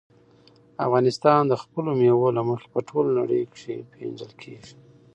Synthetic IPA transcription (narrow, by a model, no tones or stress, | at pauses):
a̰fɣɑnɪst̪ɑnd̪əxpəlomjewolaməxe̥pəʈʰolna̰ɽə̰jkʂepʰḛnd͡ʒəlkʰeʒi